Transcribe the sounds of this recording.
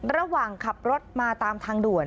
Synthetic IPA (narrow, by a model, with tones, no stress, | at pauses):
ɾa˧waː˨˩ŋkʰa˨˩p̚ɾo˦˥t̪̚maː˧t̪aː˧mt̪ʰaː˧ŋdu˨˩ən